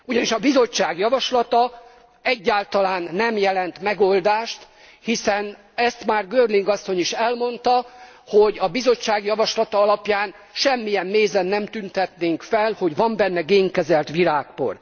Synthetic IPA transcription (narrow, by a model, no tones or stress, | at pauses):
uɟɒniʃɒbizo̞t͡ʃːaːɡjɒvɒʃlɒt̪ɒ | ɛɟːaːlt̪ɒlaːnːɛmjɛlɛnt̪mɛɡo̞ld̪aːʃt̪ | hisɛn | ɛst̪maːrɡøːrliŋɡɒsːo̞ɲiʃɛlmo̞nt̪ɒ | hoɟɒbizo̞t͡ʃːaːɡjɒvɒʃlɒt̪ɒɒlɒpjaːn | ʃɛmːijɛmːeːzɛnːɛmt̪ynt̪ɛt̪neːŋkfɛlho̞ɟʋɒmbɛnːɛɡeːŋkɛzɛlt̪ʋiɾaːkko̰r